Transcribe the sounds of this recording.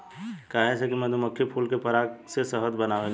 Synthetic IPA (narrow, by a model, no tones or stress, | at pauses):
kaːɦɛsekimɛ̃d̪ʱomʊkʰːjepʰuːlkepɐɾaːksesəɦət̪bənaːʋẽ